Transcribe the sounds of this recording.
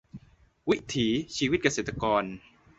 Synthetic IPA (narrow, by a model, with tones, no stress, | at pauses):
wi˦˥t̪ʰiː˩˦t͡ɕʰiː˧wi˦˥t̪̚ka˧seː˨˩t̪ːa˧kɔː˧n